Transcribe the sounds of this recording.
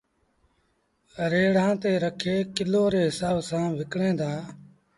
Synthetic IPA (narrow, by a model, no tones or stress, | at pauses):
ɾeːɽ̤ãːt̪eːɾəkʰeːkɪloːɾeːɦɪsaːbsãːʋɪkɽẽːd̪aː